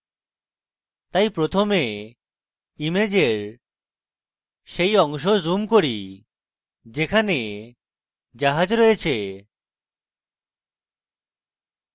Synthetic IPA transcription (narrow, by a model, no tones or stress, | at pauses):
t̪ajpɾot̪ʰome | imed͡ʑeɾ | ʃejɔŋʃ̬ozumkoɾi | d͡ʑekʰane | d͡ʑaɦad͡ʑɾɔjet͡ɕʰe